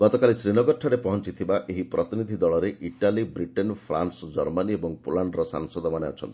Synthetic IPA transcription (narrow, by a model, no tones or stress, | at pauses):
ɡɔt̪ɔkalisɾinɔɡɔɾʈʰaɾepɔɦɔnt͡ʃit̪ʰibaʔeɦipɾɔt̪inid̪ʱid̪ɔɭɔɾeʔiʈalibɾiʈenpʰɾa̰nsɔd͡ʒɔɾmaniebɔŋpulaɳɖɾɔsa̰ŋsɔd̪ʱɔmaneɔ̰t͡ʃʰɔnt̪i